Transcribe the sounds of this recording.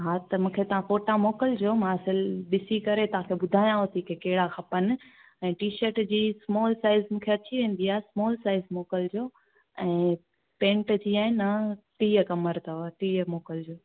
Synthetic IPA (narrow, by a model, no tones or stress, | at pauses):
ɦaːt̪ɐmũːkʰet̪ɐʋ̤ãfoːʈamoːkəld͡ʑoːmãɐsɪlɓɪsikɐɾet̪ɐʋ̤ãkʰeɓʊd̪ʱaːjãɦot̪ikekɐɦɪɽaxʰɐpənɪ̆ | ɛ̃ːʈiːʃəʈd͡ʑiːsmɔːlsaːɪzmũːkʰeɐt͡ɕiʋẽːn̆d̪iaːesmɔːlsaːɪzmoːkəld͡ʑoː | ɛ̃ː | pẽːɳʈd͡ʑiːaːɪnɐʈiːəkɐməɾt̪ʰɐʋʈiːəmoːkəld͡ʑoː